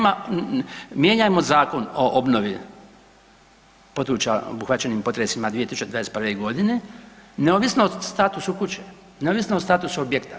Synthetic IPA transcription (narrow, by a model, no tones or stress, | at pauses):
ma | mjeɲamo̞zaːko̞noʔobnoʋi | po̞d̪ɾut͡ɕao̰buxʋat̪t͡ɕe̞nimpo̞t̪ɾesimad̪ʋiet̪isu̥t͡ʃed̪ʋadesprʋeɡo̞d̪ineneoʋisnost̪aːt̪usukut͡ɕe | neoʋisnost̪aːt̪usuobjekt̪a